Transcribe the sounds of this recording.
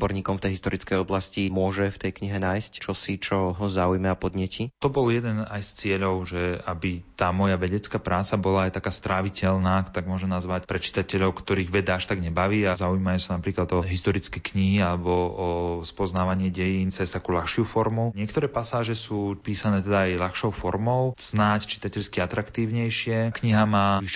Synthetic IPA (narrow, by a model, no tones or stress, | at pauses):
bɔɾɲiːkɔmft̪ɛjɦist̪ɔɾit͡skɛjɔblascimʊɔʒɛft̪ɛjkɲiɦɛnaːjsct͡ʃɔsit͡ʃɔɦɔzaujmɛapɔd̪ɲɛcʰit̪ɔbɔljɛd̪ɛnajst͡sɪɛʎɔʊʒɛabit̪aːmɔjaʋɛɟɛt͡skaːpɾaːt͡sabɔlaajt̪akaːst̪ɾʔaʋicɛlnaːt̪aɡmʊɔʒɛmnazʋacpɾɛt͡ʃi̥t̪acɛʎɔʊkt̪ɔɾiːɣʋɛd̪aaʃt̪aɡɲɛbaʋiːazaujimajusanapɾiːklad̪ɔɦist̪ɔɾit͡skɛkɲiɦialɛbɔɔspɔznaːʋaɲɪɛɟɛjiːnt͡sɛst̪akuːlaxʃɪufɔɾmuɲɪɛkt̪ɔɾɛːpasaːʒɛsuːpiːsanɛːt̪ɛd̪aːjlaxʃɔʊfɔɾmɔʊz̥nact͡ʃi̥t̪acɛʎskiat̪ɾakt̪iːʊɲɛjʃɪɛkɲiɦamaːiʃ